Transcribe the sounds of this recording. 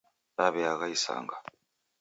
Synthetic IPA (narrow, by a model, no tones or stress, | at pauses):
ɾaβɛaɣaisa̰ŋɡa